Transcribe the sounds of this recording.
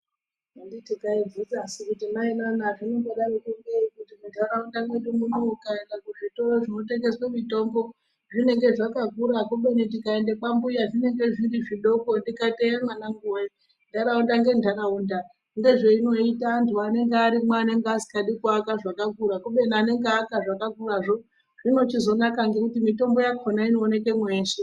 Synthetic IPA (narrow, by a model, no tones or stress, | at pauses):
anditikaid͡zid͡zasikutimainanaʐineŋɡeɗarikeŋɡeikutimuntʰaɾaundamweɗumunuukaendakuʐito̞roʐino̞te̞ŋɡe̞swemito̞mbo̞ | ʐine̞ŋɡe̞ʐakakuɾakuɓe̞nitikaendekambujaʐine̞ŋɡe̞ʐiɾiʐiɗo̞ko̞ndikateamanaŋɡuwei | ndaɾaundaŋɡe̞ndʱaɾaunda | ŋɡe̞ʐeino̞itaːntuane̞ŋɡeaɾimwaːne̞ŋɡeasi̥kaɗikakaʐakakuɾakoɓe̞niane̞ŋɡeakaʐakakuraʐo̞ | ʐ̥ino̞t͡ʃizo̞nakaŋɡe̞kutimito̞mbo̞jakonaino̞ːne̞ke̞mweːse